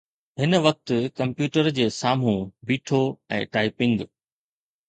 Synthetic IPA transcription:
ɦɪnʋɐk̚t̪̆kɐ̃mpjuːʈəɾd͡ʑeːsaːm̤ũbiːʈʰoɛ̰̃ːʈaːɪpɪ̃ŋɡ

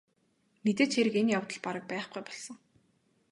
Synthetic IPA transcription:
met̪eːt͡ɕxeɾɘ̆kenjawt̪ə̆ɮpaɾə̆k̚pæːχɡujpɔɮsɞ̆ŋ

